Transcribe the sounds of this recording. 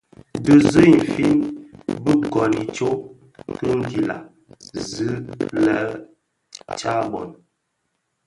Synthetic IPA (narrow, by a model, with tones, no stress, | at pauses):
də˨zə˦i˨m˨fi˦nbə˦kɔ˨ni˨t͡ʃo˦ | kə˦ŋ̩˦ki˨la̰˨ | zɨ˦lə˦ | t͡ʃa˦bɔ̰˨n